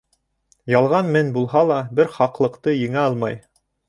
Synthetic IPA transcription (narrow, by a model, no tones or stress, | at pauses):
jɑlˠʁɑnmɘnbulˠɦɑlˠɑbɘɾχɑqlˠɤ̆qt̪ɤjɘ̆ŋæɑlˠmɑj